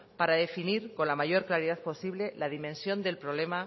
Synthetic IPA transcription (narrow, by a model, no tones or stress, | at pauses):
paɾaðe̞finiɾko̞nlamaʝo̞ɾklaɾiðaðpo̞siβle̞laðimẽ̞nsjo̞nd̪e̞lpɾo̞βle̞ma